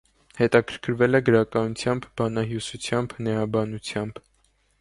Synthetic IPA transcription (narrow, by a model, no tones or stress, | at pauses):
hɛt̪ɑkʰəɾkʰəɾvɛlɛɡəɾɑkɑnut͡sʰjɑmbbɑnɑɦjusut͡sʰjɑmbnɛɑbɑnut͡sʰjɑmb